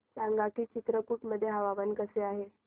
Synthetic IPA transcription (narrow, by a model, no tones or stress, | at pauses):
saŋɡakiːt͡ɕit̪ɾəkuːʈməd̪ʱːjeɦəʋaʋənkəseaɦe